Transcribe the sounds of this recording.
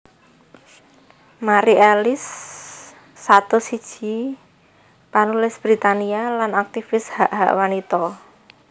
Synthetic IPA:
maɾiɛlɪs | at̪ɔsid̥ʒ̥i̤ | panulɪsb̥ɾit̪anialanak̚t̪ifɪshaʔɦa̰ʔwanit̪ɔ

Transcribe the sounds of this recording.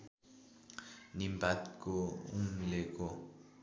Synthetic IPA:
nimbʱatkɔum̩lɛkɔ

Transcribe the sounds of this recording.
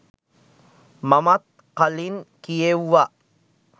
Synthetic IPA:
mamat̪̚ | qalinkijewːa

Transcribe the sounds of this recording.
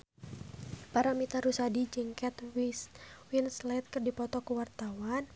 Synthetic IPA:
paɾamit̪aɾusadid͡ʒəŋkɛt̪wiswinslɛt̪̚kərdipɔt̪ɔkəwart̪awan

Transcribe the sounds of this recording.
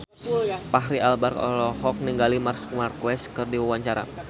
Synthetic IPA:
paɦɾialbarkɔ̰lɔɦɔk̚niŋɡalimarsu̥k̚markwɛskɨrdiwawaɲt͡ʃaɾa̰

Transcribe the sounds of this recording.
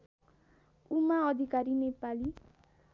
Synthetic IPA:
umaʌd̪ʱikaɾinepali

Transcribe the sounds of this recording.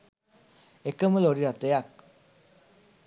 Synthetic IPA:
ekəməloɾiɾat̪əjak̚

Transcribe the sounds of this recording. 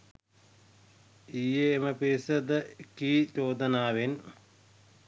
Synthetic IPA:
ijeːməpiɾisɐd̪əkiːt͡ʃoːd̪ɐnaːʋen

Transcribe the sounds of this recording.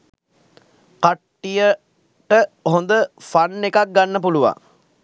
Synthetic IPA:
kaʈːijə | ʈəɦond̪əfanːekak̚ɡanːəpuluʋa̰ŋ

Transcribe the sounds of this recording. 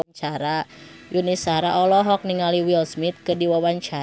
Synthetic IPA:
t͡ʃaɾa | junisaɾaʔɔlɔɦɔk̚niŋaliwilsmit̪̚kɨdiwawaɲt͡ʃa

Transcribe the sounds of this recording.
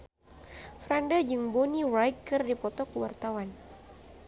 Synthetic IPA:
fɾandad͡ʒɨŋbɔnirajkɨrdipɔt̪ɔkəwart̪awan

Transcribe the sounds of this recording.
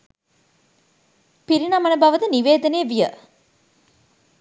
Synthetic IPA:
piɾinamɐnəbɐʋət̪əniʋeːd̪ənejəʋijə

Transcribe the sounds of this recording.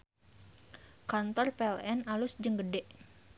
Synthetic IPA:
kant̪ɔrpeɛlɛnalʊsd͡ʒəŋɡədɛʔ

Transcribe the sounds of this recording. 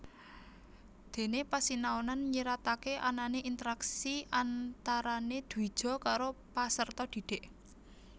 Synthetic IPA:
d̪̥e̤nepasinaonanɲiɾat̪akeʔananeʔint̪əɾaksiʔant̪aɾaned̪̥ui̥ʒ̥ɔ̤kaɾopasərt̪ɔd̪̥i̤d̪̥e̤ʔ

